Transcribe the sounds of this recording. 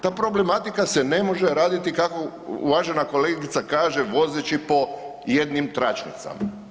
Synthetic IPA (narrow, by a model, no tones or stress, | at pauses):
t̪aːpɾo̞ble̞mat̪ikase̞ne̞mo̞ʒe̞ɾaːd̪it̪ikako̞ | ṵʋaʒe̞nako̞leɡit̪sakaːʒe̞ʋo̞zet͡ʃipo̞jed̪nimt̪ɾat͡ʃnḭt̪sa̰ma